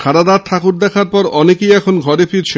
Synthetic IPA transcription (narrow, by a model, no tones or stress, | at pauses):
kʰaɾad̪aɾt̪ʰakuɾd̪ɛkʰaɾpɔɾɔnekejɛkʰonɡʱɔɾefʰiɾt͡ɕʰe